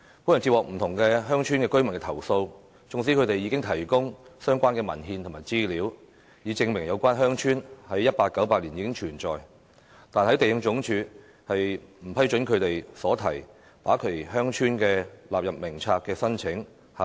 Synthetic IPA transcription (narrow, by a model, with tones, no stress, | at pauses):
pu˨˥jnt͡si˧p̚wɔː˨k̚m̩˨˩t̪ʰʊ˨˩ŋkɛː˧ɦœː˥ŋt͡ʃʰyː˥nkɛː˧kɵ˥ɥmɐ˨˩nkɛ˧t̪ʰwso˧w | t͡sʊ˧ŋs̬i˨˥kʰɵ˧t̪e˨jːiː˨˧kɪ˥ŋt̪ʰɐ˨˩jkʊ˥ŋsœː˥ŋkʷaː˥nkɛː˧mɐ̰˨˩nɦiː˧nt̪ʰʊ˨˩maː˨˩jt͡siː˥liː˨˥w | jiː˨˧t͡sɪ˧ŋmɪ˨˩ŋjɐ˨˧wkʷaː˥nɦœː˥ŋt͡ʃʰyː˥nhɐ˨˥jːɐ˥t̚paː˧k̚ːɐ˨˥wpaː˧k̚liː˨˩jiː˨˧kɪ˥ŋt͡ʃʰyː˨˩nt͡ʃɔː˨j | t̪aː˨nhɐ˨˥jt̪e˨jɪ˧ŋt͡ʃʊ˨˥ŋt͡ʃʰyː˨˧ | hɐ˨jm̩˨˩pʰɐ˥jt͡ʃɵ˨˥nkʰɵ˨˧ɥt̪e˨jsɔː˨˥t̪ʰɐ˨˩j | t̪aː˨˥kʰɵ˨˩ɦœː˥ŋt͡ʃʰyː˥nkɛː˧laː˨p̚jɐ˨p̚mɪ˨˩ŋt͡sʰaː˧k̚kɛː˧sɐ˥nt͡sʰɪ˨˥ŋ | h